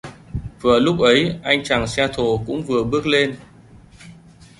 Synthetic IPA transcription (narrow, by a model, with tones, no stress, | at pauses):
vɨ˨˩əlʊ˦˥k͡p̚ʔə˨˦jʔa˧jŋ̟t͡ɕaː˨˩ŋsɛ˧t̪ʰo˧˨˩kʊ̰˧˥ŋ͡mvɨ˨˩əɓɨ˦˥ək̚le˧n